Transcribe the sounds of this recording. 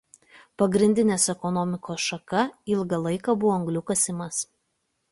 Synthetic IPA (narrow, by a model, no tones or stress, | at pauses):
pɐɡɾʲɪnʲd̪ʲɪnʲeːsɛkɔnɔmʲɪkoːsʃɐkɐɪlˠɡɐlˠɐɪkɐbʊʋoːɐŋɡlʲʊkɐsʲɪmɐs